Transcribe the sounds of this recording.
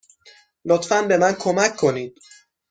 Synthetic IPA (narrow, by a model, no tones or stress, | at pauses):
lot̪fænbe̞mænkʰomækʰːo̞niːd̪̥̚